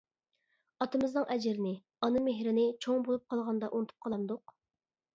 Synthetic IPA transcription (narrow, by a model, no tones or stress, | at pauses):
ɑt̪ɨmɨznɨŋʔɛd͡ʒɪɾɪnɪ | ɑnɨmeɦɾɪnɪt͡ʃʰoŋbolˠup̚qʰɑlˠʁɑnd̪ɑʔunɨt̪ʰɨ̥p̚qʰɑlˠɑnd̪ʊq